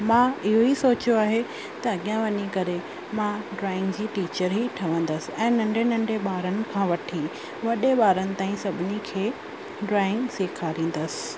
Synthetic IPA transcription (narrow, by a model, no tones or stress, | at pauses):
mãɪɦoisoːt͡ɕjoaːɦe | t̪ɐɐɠijãʋɐɲikɐɾe | mãɖɾaːɪ̃ŋɡd͡ʑiːʈiːt͡ɕəɾɦiʈʰɐʋə̃nd̪əsɪ̥̆ɛ̃ːnɐ̃ɳɖʱenɐ̃ɳɖeɓaːɾənɪ̆kʰãːʋɐʈʰi | ʋɐɗeɓaːɾənɪ̆t̪aːĩsɐbʱɪnikʰeː | ɖɾaːɪ̃ŋɡseːkʰaɾĩːn̆d̪əsɪ̥̆